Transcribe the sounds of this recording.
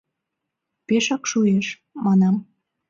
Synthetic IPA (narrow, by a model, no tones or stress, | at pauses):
peʃɑkʃueʃ | mɑnɑm